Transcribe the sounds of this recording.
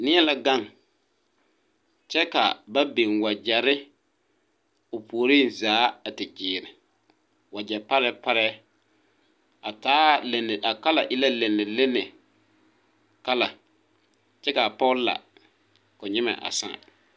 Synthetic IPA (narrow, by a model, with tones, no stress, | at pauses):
nɪ˦ɛ˦la˨ɡa˦˨ŋ | t͡ʃɛ˦ka̰˨ba˦be˨ŋwa˨d͡ʒɛ˨ɾɪ˦ | ʊ˨pʰu˨o˨ɾi˦˨nzaː˨˦a˨tɪ˨t͡ʃɪː˨ɾɪ˨ | wa˨d͡ʒɛ˨pa˦ɾɛ˦pa˦ɾɛ˦ | a˨taː˦le˨nɪ˨ʔa˨ka˦la˨ʔɪ˦la˦le˨nːɪ˨lɪ˦nɪ˨ | ka˦la˨ | t͡ʃɛ˦ka˨pɔ˦la̰˨ | kʊ˨ɲɪ˦mɛ̰˨ʔa̰˨sã̰ː˦˨